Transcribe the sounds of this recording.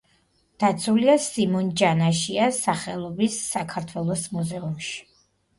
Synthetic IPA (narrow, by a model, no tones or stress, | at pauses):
d̪̥at̪sʰuliasimɔnd͡ʒanaʃiasaχɛlˠɔbisːakʰaɾt̪ʰwɛlˠɔsmuzɛumʃi̥